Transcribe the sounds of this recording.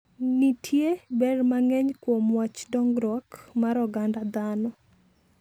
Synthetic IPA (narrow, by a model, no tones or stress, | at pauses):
nitʰjebɛrmaŋɛɲkwomwat͡ʃdɔŋɡɾɔkmaɾɔɡandad̪anɔ